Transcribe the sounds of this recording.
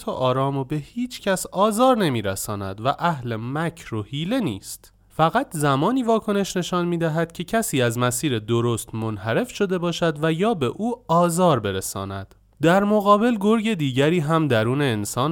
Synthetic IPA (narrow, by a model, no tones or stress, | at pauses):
t̪ʰoʔɒːɾɒːmobe̞hiːt͡ʃʰcʰæsɒːzɒːɾne̞miːɾæsɒːnæ̰d̪væʔæhle̞mæcʰɾohiːle̞niːst̪ | fæɣæt̪ʰzæmɒːniːvɒːkʰo̞ne̞ʃne̞ʃɒːnmiːd̪æɦæd̪̥̚cʰe̞cʰæsiːæzmæsiːɾe̞d̪oɾo̞st̪monhæɾe̞fʃo̞d̪e̞bɒːʃæd̪væjɒːbe̞ʔuːɒːzɒːɾbe̞ɾesɒ̰ːnæd̪̥ | d̪æɾmoɣɒːbe̞lɡoɾɟe̞d̪iːɟæɾiːɦæmd̪æɾuːne̞ːnsɒːn